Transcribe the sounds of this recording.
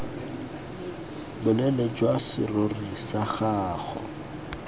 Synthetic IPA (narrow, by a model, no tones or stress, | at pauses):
bʊnɛled͡ʒwasɪ̰rorisaχaːɣɔ̰